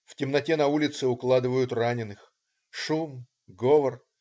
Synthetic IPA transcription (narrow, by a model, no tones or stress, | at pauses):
ftʲɪmnɐtʲenɐulʲɪt̪sɨʊklˠad̪ɨvəjʊt̪ranʲɪnɨx | ʂum | ɡovər